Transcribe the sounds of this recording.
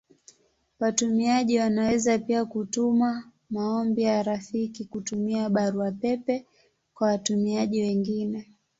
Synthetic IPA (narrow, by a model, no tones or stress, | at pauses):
watumiaʄiwanawɛzapiakutuma | maɔmbijaɾafikikutumiaɓaɾuapɛpɛ | kwawatumiaʄiwɛŋɡinɛ